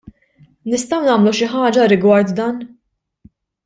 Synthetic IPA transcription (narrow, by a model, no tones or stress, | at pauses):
nɪst̪ɐwnɐːmluʃɪħɐːd͡ʒɐɾːɪɡwɐɾt̪d̪ɐːn